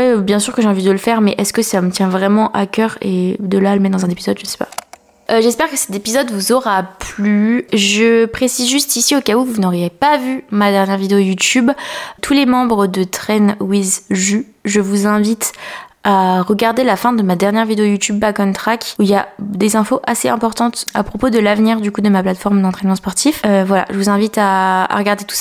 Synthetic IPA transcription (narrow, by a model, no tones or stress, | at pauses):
wɛbjɛ̃syʁkəʒeɑ̃vid̪əlfɛʁmɛʔɛskəsamət̪jɛ̃vʁɛmɑ̃ʔakʲœʁḛd̪əlaləmɛd̪ɑ̃zɛ̃nepizɔd̪ʒəsɛ̥pa̰ | ʒɛspɛʁkəsɛ̥t̪epizɔd̪vuzɔʁaplyʒəpχesizʒyst̪isiokauvunɔʁjepavymad̪ɛʁnjɛʁvid̪eojut̪ybt̪ʰulemɑ̃bʁəd̪ət̪χɛnwizʒy | ʒəvuzɛ̃vit̪aʁəɡaʁd̪elafɛ̃d̪əmad̪ɛʁnjɛʁvid̪eojut̪ybːakɔnt̪χakuiljad̪ezɛ̃foʔaseɛ̃pɔʁt̪ɑ̃t̪a̰pχɔpod̪əlavniʁd̪ykud̪əmaplat̪fɔʁmd̪ɑ̃t̪χɛnmɑ̃spɔʁt̪iføvwala̰ʒəvuzɛ̃vit̪aa̰ʁəɡaʁd̪et̪u̥sa